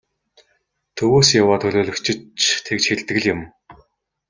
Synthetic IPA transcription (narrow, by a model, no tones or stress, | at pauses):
t̪ʰɵwoːsjawaːt̪ʰɵɮʲoːɮɵ̆kt͡ɕʰɪ̆t͡ɕʰt̪ʰekt͡ɕxeɮt̪ɣɘ̆ɮjʊ̆m